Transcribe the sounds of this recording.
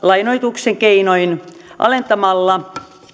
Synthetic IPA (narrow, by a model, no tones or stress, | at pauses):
lɑinoit̪ukseŋkeinoin | ʔɑ̰lent̪ɑmɑlːɑ